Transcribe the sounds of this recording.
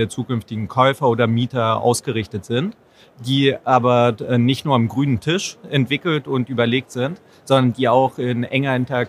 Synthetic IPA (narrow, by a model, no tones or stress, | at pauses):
eːɐt͡suːkʏnftɪɡŋ̩kʰɔʏfɐoːdɐmiːtɐʔa̰ʊsɡ̥əʁɪçtətz̥ɪnt | d̥iːʔaːbɐɛnɪçtnuːɐamɡʁyːnəntʰɪʃɛntv̥ɪkl̩tʊntʔyːbɐleːk̚tz̥ɪnt | z̥ɔndɐndiːaʊxɪnʔɛŋɐɪntɐa